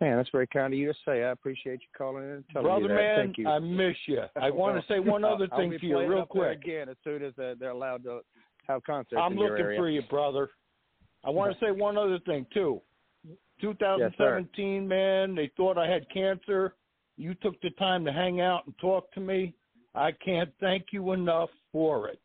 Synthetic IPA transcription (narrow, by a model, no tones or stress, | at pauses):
mæ̃nðætsvɛɹikʰãɪ̃ndʌjɨd͡ʒʌstseɪaɪəpʰɹ̥iʃieɪt͡ʃə̥˞kʰɔlˠɪ̃ŋɨ̃ntʰɛlˠbɹʌðə˞mæ̃naɪmɪʃɨaɪwɑ̃nɨseɪwwʌ̃nʌðə˞θɪ̃ŋʰɨjɨɹilˠkʰw̥ɪk̚ɛ̃nɨz̥sʉ̃nɨzððə˞əlaʊd̚tə | əv̥kʰɑ̃nsəãɪ̃mlʊɪ̃ŋfə˞jɨbɹʌðə˞ | ʔaɪwɑ̃nɨseɪwʌ̃nʌðə˞θɪ̃ŋtʰu | tʰuθaʊzn̩dsɛvɨ̃ntʰĩnmæ̃nðeɪθɔɾaɪɨd̚kʰæ̃nsə˞ | jɨtʰʊk̚ðɨtʰãɪ̃mtɨɦæ̃ŋaʊɾn̩tʰɔk̚tʰɨmi | ʔaɪkʰæ̃nθæ̃ŋkjɨɪnʌf | ə˞ɪ̰t̚